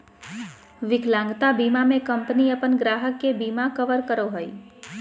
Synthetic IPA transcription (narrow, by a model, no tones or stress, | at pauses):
ʋɪkʰlãŋɡt̪abimamẽkəmpniəpənɡɾaːɦəkːebiːmakəʋəɾkəɾoɦəi